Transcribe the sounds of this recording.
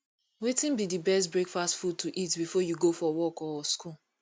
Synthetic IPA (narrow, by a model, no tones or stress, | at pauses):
wetĩnbidibɛstbɹekfastfud̚tʰuʔitbifɔjuɡofɔwɔkɔsku